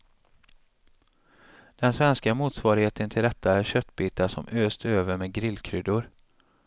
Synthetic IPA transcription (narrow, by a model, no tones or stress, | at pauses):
d̪̥ɛnsvɛnskamuːt̪svɑːɾɪheːt̪ənt̪ʰɪld̪ɛt̪ʰːaæɾɕœt̪ːbiːt̪asɔ̰mʔøːst̪øːvəɾmeːɡɾɪlːkʰɾʏd̪ʊɾ